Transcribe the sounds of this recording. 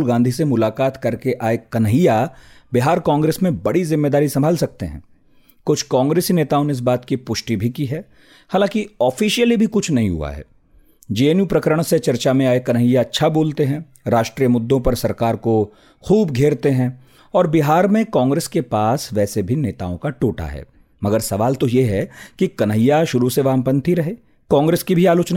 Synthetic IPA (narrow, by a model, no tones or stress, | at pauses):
lɡãːnd̪ʱisemʊlaːkaːt̪kɐɾkeʔaːekɐnɦijabɪɦaːɾkãːŋɡɾeːsmẽbɐɽizɪmːeːd̪aːɾisɐmbʱaːlsɐk̚t̪ḛɦɛ̰̃ː | kʊt͡ʃʰkãːŋɡɾeːsineːt̪aːoneɪs̬baːt̪kipʊʃʈibʱikiɦɛː | haːlãːkiɔːfiːʃijəlibʱikʊt͡ʃʰnɐɦĩɦṵa̰ɦɛ̰ː | d͡ʒeːeːnjupɾɐkəɾəɽ̃set͡ʃɐɾt͡ʃamẽaːekɐnɦijaɐtːʃʰaboːlt̪eɦɛ̃ | ɾaːʃʈɾijəmʊd̪ːõpɐɾsɐɾkaːɾko | xuːbɡʱeːɾt̪eɦɛ̃ | ɔːɾbɪɦaːɾmẽkãːŋɡɾeːskepaːsʋɛːsebʱineːt̪a̰ːõkaʈoːʈa̰ɦɛ̰ː | mɐɡəɾsɐʋaːlt̪ojeɦɛkikɐnɦəjːaʃʊɾuseʋaːmpə̃nt̪ʰiɾɐɦeː | kãːŋɡɾeːskibʱiaːloːt͡ʃna